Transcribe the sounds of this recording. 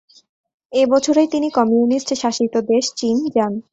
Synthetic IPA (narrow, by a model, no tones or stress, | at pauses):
ebɔt͡ɕʰoɾejt̪inikɔmiunist͡ɕeʃaʃit̪od̪eʃt͡ɕind͡ʑan